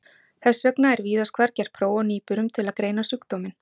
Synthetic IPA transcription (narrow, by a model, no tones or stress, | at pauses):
θɛsːœknaɛɾviːðaskʰvaɾcɛɾ̥pʰɾoːwɔniːpʏɾʏmt̪ʰɪlaðkɾeːjnasyːkt̪ɔːmɪn